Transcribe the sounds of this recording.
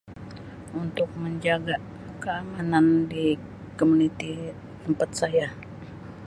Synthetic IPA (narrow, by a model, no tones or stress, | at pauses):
unt̪ʊk̚məɲd͡ʒaɡa | kəamanandi | komunit̪i | əmpat̪̚saja